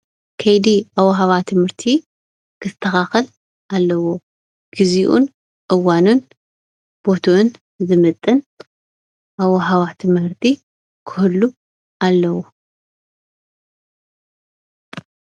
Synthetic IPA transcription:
kʰɐjd̪iawɐɦaβat̪ʰɨmhɨɾt̪ʰi | kʰɨɨ̥t̪ʰːɐxaxɐl | ʔalːɐwo | ɡ̥iziʔṵn | ʔʼɨwanun | b̥o̞t̪ʰun | zɨmɨt̪ʼːɨn | ʔaβɐɦaβat̪ʰɨmhɨɾt̪ʰi | kʰɨ̥hulːu | ʔalːɐwo

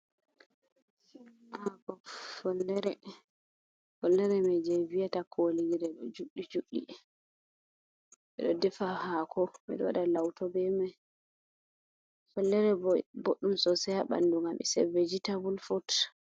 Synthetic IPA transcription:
akɔfɔlːɛɾɛ | fɔlːɛɾɛmɛd͡ʒɛjvijatakʰoliɡiɾɛɗɔd͡ʒuɗːid͡ʒuɗːḭ | ɓɛ̰ɗɔdɛfahakʰɔmɛ̰ɗɔwaɗalawtɔbɛmaj | fɔlːɛɾɛboɗːumsɔsɛjaɓa̰nduŋamɛ̰sɛ̰ved͡ʒitabulfɔt

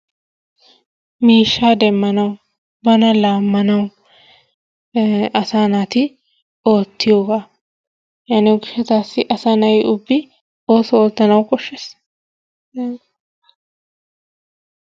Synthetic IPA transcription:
miːʃːaːd̪ɛmːɐnɐw | bɐnɐlaːmːɐnɐw | ɐsaːnat̪ɪ | oːt̪ːɪjoːɡa | jaːnɪʊɡɪʃɛt̪aːsːɪʔɐsanɐjʔʊbːɪ | o̞ːsɔoːt̪ːɐnɐwkʼɔʃːɛs

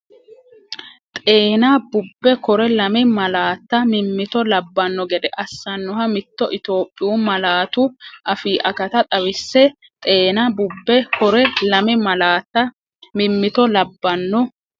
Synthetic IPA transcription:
t̪ʼe̞ːnabʊbːɛkɔɾɛlɐmɪmɐlaːt̪ːɐmɪmːɪt̪ɔlɐbːɐnːɔɡɛd̪ɛʔɐsːɐnːɔɦɐmɪt̪ːɔʔɪt̪o̞ːpʼːɪjuːmɐlaːt̪ʊʔɐfiːʔɐkɐt̪ɐt̪ʼɐwɪsːɛ | t̪ʼe̞ːnabʊbːɛkʰɔɾɛlɐmɪmɐlaːt̪ːɐ | mɪmːɪt̪ɔlɐbːɐnːɔ

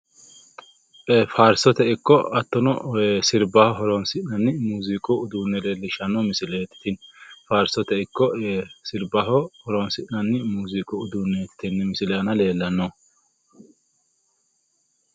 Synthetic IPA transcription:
ʔefaːɾsɔt̪ɛʔɪkːɔɐt̪ːɔnɔesɪɾbɐhɔɦɔɾɔnsɪnɐnːɪmuːzɪkʼʊʊd̪uːnːɛleːlːɪʃɐnɔmɪsɪleːt̪ɪ̥t̪ɪnfaːɾsɔt̪ɛɪkːɔʔesɪɾbɐɦɔhɔɾɔnsɪʔnɐnːmuːzɪkʼʊʊd̪uːnːet̪ːɪ̥t̪ɪnːɛmɪsɪlɐnɐle̞ːlːɐnːɔ

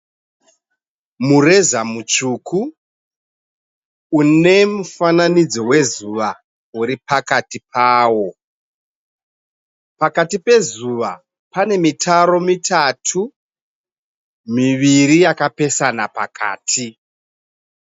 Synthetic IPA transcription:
mure̞zamut͡ʃuːkʰu | une̞mufananid͡zo̞we̞zuʋa | uɾipakatip̚ʰaːwo̞ | pakatipe̞zuʋa̰ | pane̞mitʰaɾo̞mitʰatʰu | miʋiɾijakape̞sanapa̰kʰa̰ːtʰi

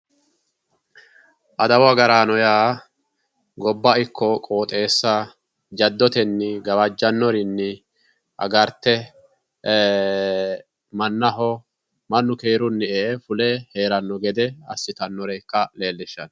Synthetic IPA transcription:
ʔɐd̪ɐwɐɡɐɾaːnɔjaː | ɡɔbːɐɪkʰːɔkʼo̞ːt̪ʼe̞ːsːa | d͡ʒɐd̪ːɔt̪ɛnːɪɡɐβɐd͡ʒːɐnːɔɾɪnːɪ | ʔɐ̰ɡɐɾt̪ːɛ | mɐnːɐɦɔ | mɐnːʊkeːɾʊnːɪefʊlɛheːɾɐnːɔɡɛd̪ɛɐ̰sːɪt̪ɐnːɔɾɛjkːɐle̞ːlːɪʃːɐn

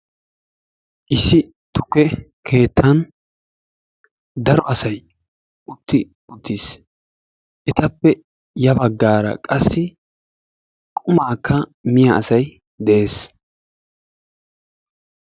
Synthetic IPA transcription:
ʔɪsːɪ | t̪ʊkːɛ | kʰe̞ːt̪ʰːɐn | d̪ɐɾɔɐsɐj | ʔʊt̪ːɪ | ʊt̪ːis | ʔɛt̪ɐpːɛ | jɐbɐɡːaːɾɐ̰kʼɐsːɪ | kʼʊmaːkːɐmɪjɐːsɐj | d̪ɛʔe̞ːs

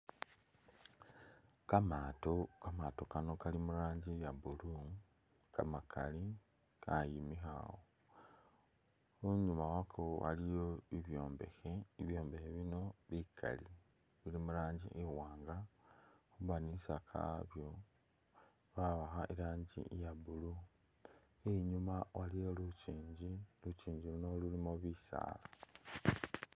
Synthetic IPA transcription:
kamaːto̞kamato̞kano̞kalimuɾaːɲɟijabulu | kamakʰali | kʰajimixa̰wo | oɲumawakʰoa̰lijo̞βiβjo̞ːmbe̞̰xeiβjo̞ːmbe̞xeβino̞βikʰa̰li | βilimuɾaːɲɟḭʔiwaːŋɡa | xuβanisakʰa̰βjo̞ | βaβaxaʔiɾaːɲɟḭjaβulu | eɲumawʔalijolut͡ʃiːɲɟilut͡ʃiːɲɟiluno̞lulimoβisa̰ːla

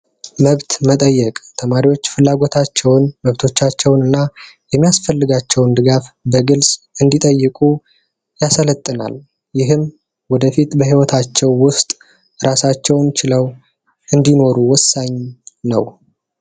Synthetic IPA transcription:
məβt̪mət̪ʼəjːɛkʼt̪ʰəmaɾiwo̞t͡ʃːfɨlːaɡo̞t̪ʰat͡ʃːɛwnməβt̪ʰo̞t͡ʃːat͡ʃːɛwnɨnːajɛmːijasfəlːɨɡat͡ʃːɛwnd̪ɨɡafbəɡɨlsʼ | ɨnd̪it̪ʼəjːɨkʼu | jasələt̪ʼːɨna̰l | jɪɦɨm | wɔd̪əfit̪bəɦiwɔt̪ʰat͡ʃːɛwːʊst̪ʼ | ɾasat͡ʃːɛwnt͡ʃʰɪləw | ʔɨnd̪ino̞ɾuwɔsːaɲnə̰w

